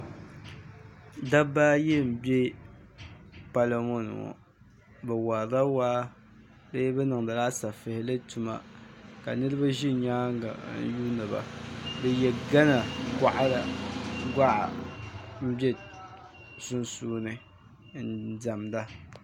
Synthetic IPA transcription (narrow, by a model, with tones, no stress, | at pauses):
da˦baː˦jɛ˦m̩˨be˦ | pa˨la˨mo˦n̰˨ɔ̰˨ | bɛ˨wa˨da˦waː˦ | lɨ˦jɛ˦bɛ˦nɨ˨ŋda˨la˦sa˨fɨ˨hɪ˨˦lɨ˦tu˨ma̰˨ka˨nɨ˦ɾɨ˦ba˦ʒi˦ɲaː˦ŋ˦ɡa̰˨n̩˦ju˦nɨ˨ba̰˨dɨ˨jɛ˨ɡa˦na˨ka˨ʔa˦la˨ɡʷa˦ʔa̰˨m̩˦bɛ˦ | sʊ˦nsuː˦nɨ˨ | n̩˦da˨mda˦